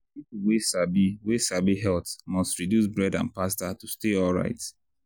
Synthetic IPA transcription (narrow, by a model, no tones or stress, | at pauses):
pipuwesabiwesabiɦɛltmɔstɹidjusbɹɛdãnpastatusteɔlˠɹa̰ɪt